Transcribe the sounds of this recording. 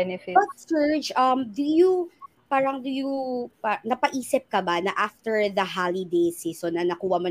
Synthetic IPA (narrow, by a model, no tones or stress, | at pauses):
ɛnɛfbɐt̪sɛɹd͡ʒʔɐmd̪ʊjʊ | paːɾɐŋd̪ʊjʊpanɐpɐʔiːsɪp̚kɐbanɐʔaft̪ɛɹðɐɦalɪd̪ejsiːsonːɐnɐkuːwɐmo